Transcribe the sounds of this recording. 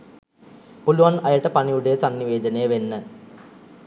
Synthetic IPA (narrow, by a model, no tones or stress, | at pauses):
puluʋɐnɐjɐʈːɐpɐnijuɽejɐsɐnːiʋeːd̪ɐnejɐʋenːə